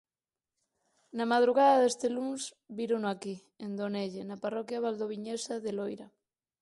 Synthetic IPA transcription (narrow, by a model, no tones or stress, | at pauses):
namaðɾuɣaðaðest̪eluns | biɾonoaki | end̪oneʎenaparɔkjaβald̪oβ̞iɲesaðelojɾa